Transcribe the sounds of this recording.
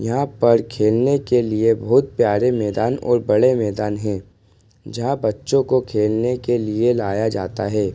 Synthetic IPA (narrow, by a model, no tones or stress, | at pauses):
jɐɦãpɐɾkʰeːlnekeliebɐɦʊt̪̚pjaːɾemɛːd̪aːnɔ̰ːɾbɐɽemɛːd̪aːnɦɛ̃ː | d͡ʒɐɦãbɐtːʃõkokʰeːlnekelielaːjad͡ʒaːt̪aɦɛː